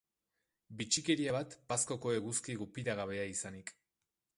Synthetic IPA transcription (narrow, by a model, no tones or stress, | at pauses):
bit͡ʃike̞ɾiaβat̪pasko̞ko̞e̞ɣuskiɣupiɾaɣaβ̞e̞aisanik